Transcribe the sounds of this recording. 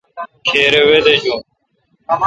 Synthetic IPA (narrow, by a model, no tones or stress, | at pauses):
kʰeːɾewed̪ed͡ʑoː